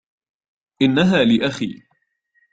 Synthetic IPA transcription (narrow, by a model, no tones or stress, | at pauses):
ʔɪnːaɦaːlɪʔaxḭː